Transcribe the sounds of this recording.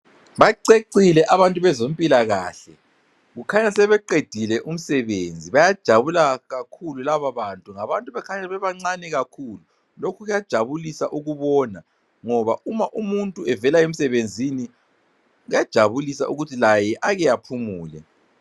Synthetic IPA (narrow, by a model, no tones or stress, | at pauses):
βaǀeǀilɛʔaβantʼuβɛzompʼilaɣaːɬɛ | ɣukʰaɲasɛβɛǃed̥ʱilɛʔum̩sɛβend͡zʱiβajad̥ʒ̥ʱaβulaɣakʰululaβaβantʼuŋaβantʼuβɛkʰaɲaβɛβaŋ͡ǀanɛɣakʰulu | lokʰuɣujad̥ʒ̥ʱaβulisaʔuɣuβɔna | ŋɔβaʔumaʔumuntʼuɛvɛlajem̩sɛβend͡zʱini | ujad̥ʒ̥ʱaβulisa̰ʔuɣutʰilajɛʔaɣɛjapʰumuːlɛ̰